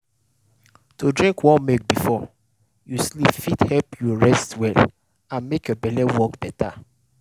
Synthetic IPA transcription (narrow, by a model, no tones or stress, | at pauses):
todɹĩŋkwɔ̃nmek̚bifɔ | juslifithɛpjɔɹɛstwɛl | ãnmekjɔbɛlɛwɔkb̥ɛta